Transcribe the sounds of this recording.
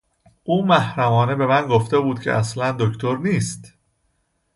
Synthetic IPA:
ʔuːmæhɾæmɒːne̞be̞mænɡo̞ft̪ebuːd̪̚cʰḛʔæslænd̪oct̪ʰo̞ɾniːst̪

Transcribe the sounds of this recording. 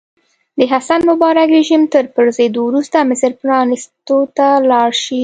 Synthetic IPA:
d̪əɦasanmʊbɑɾakɾeʒimt̪əɾpəɾzed̪owɾust̪amɪsɾpɾɑnist̪ot̪alɑɽʃi

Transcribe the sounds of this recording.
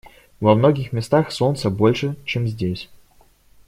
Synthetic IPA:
vɐmnoɡʲɪxmʲɪst̪axso̞nt̪səbo̞lʲʂɨt͡ɕemzʲdʲesʲ

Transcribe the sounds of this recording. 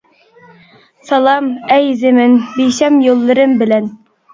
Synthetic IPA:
sɑlˠɑmæjzɘ̆mɘnbijɕæmjolˠːɤ̆ɾɤmbɘ̆læn

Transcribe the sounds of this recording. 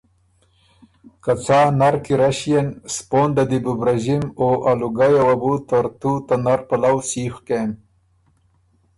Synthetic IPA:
kat͡saːnaɾkiɾaɕijenspoːnd̪ad̪ibubɾaʒimoʔaluɡajawabut̪aɾt̪ut̪anaɾpalawsixkem

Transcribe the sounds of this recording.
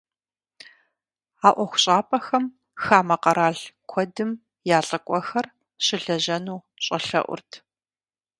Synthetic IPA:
aːʔʷɔxʷʊɕʼaːpʼɐxɐm | xaːmɐqɐɾaːɮkʷʰɔdɨm | jaːɬʼɐkʷʼɔxɐr | ɕɪɮɐʑɐnuː | ɕʼɐɬɐ̰ʔʷʊ̰rtʰ

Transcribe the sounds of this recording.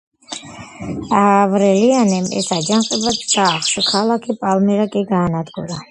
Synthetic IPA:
avɾɛlianɛmɛ̰sad͡ʒanqʼɛbat̪saːχʃɔkʰalakʰipʼalmɛɾakʼiɡaːnad̪ɡuɾa

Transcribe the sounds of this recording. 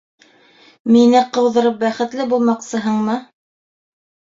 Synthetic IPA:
minɘqɤ̆wðɤ̆ɾɤp̚bæχɘ̆t̪lɘbulˠmɑqsɤ̆ɦɤɴmɤ

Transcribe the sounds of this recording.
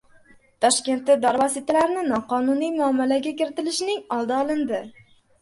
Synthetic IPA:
t̪ʰɒʃkʲe̞nt̪ːɪd̪ɒɾvɒsɪt̪ʰalaɾɪnɪnɒqʰɒnʊnijmʊamːalaɡʲakʲɪɾɪt̪ɪlɪʃnɪŋɒlˠd̪aɒlˠɪnd̪ɪ

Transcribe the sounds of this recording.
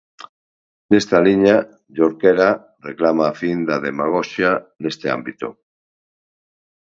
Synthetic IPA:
nest̪aliɲa | ʎoɾkeɾa | reklamaːfind̪aðemaɣ̞oʃjanest̪ea̰mbit̪o̰

